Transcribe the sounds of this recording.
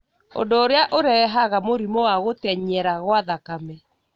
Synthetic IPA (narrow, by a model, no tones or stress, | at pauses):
o̰ndoːɾeaʔoɾɛɛɦaɣamoɾimɔwaɣotɛɲɛɾaɣwaðakamɛ